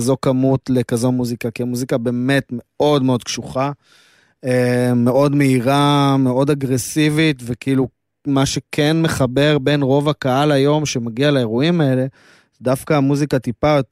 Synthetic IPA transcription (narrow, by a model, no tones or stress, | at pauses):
zo̞kamutle̞kazo̞muzikakiamuzikabe̞ːme̞tme̞o̞dmeo̞d̪kʃuχa | eme̞ʔo̞dme̞iʁameo̞daɡʁe̞sivitvekiːlu | maʃekʰenme̞χabe̞ʁbe̞nʁo̞vakaalajo̞mʃe̞maɡialaeʁuimae̞le̞ | zdafkaːmuzikat̪ipa